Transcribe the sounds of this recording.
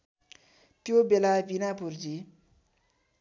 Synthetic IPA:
t̪jobelabinapurd͡zi

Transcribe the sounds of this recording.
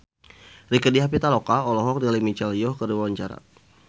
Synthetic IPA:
rikədiɦap̬it̪alokaɔlɔɦɔk̚dalimit͡ʃɛljɔhkəɾiwawaɲt͡ʃaɾa̰

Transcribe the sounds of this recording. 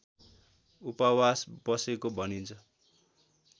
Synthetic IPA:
upawasbʌsekobʱʌnint͡sʰʌ

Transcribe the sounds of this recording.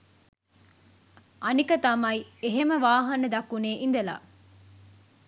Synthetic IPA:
ʔɐnikɐt̪ɐmɐjieɦeməʋaːɦɐnɐd̪ɐkːuneːʔind̪ɐla̰ː

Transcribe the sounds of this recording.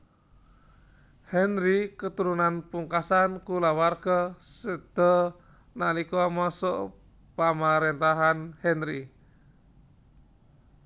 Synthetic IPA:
hɛnɾikət̪uɾunanpuŋkasankulawarɡ̥asəd̪̥ɔ̤ | nalikɔmɔsɔʔ | pamaɾent̪aɦanhɛnɾi

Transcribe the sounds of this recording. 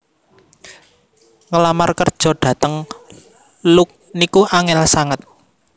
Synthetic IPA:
ŋəlamarkərd̥ʒ̥ɔ̤ɖ̥ä̤t̪əŋ | lʊk̚ | nikuʔaŋɛlsaŋət̪̚

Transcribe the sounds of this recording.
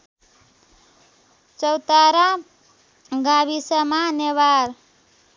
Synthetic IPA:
t͡sʌwt̪aɾa | ɡabisʌmaneβaɾ

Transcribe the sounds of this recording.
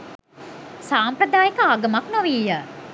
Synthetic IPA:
saːmpɾəd̪aːjekəaɡəmaknoʋiːjə

